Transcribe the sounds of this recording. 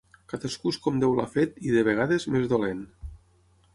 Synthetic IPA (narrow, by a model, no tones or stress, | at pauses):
kat̪əskuskɔmd̪ewlafet̪iðəβ̞eɣ̞aðezmezðolen